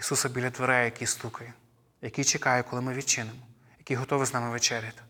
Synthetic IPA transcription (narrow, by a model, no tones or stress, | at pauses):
isusɐbʲilʲɐt̪ʋɔɾɛjjɐkʲist̪ukɐj | jɐkʲijt͡ʃekɑjʊkɔlˠɪmɪʋʲid̪̚t͡ʃɪnɪmɔ | jɐkʲijɦɔt̪ɔʋɪznɑmɪʋet͡ʃɛɾʲjɐt̪ɪ̥